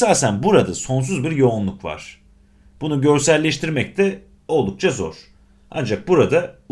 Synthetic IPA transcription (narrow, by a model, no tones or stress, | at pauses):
isaːsænbuɾad̪aso̞ns̬uzbiɾjo̞unlˠukva̰ɾ̝̥ | b̥unuɟø̞ɾsælʲːɛʃt̪iɾmɛc̚t̪ʰɛ | o̞lˠd̪uk̚t͡ʃʰazo̞̰ɾ̥ | a̰nd͡ʒak̚buɾad̪a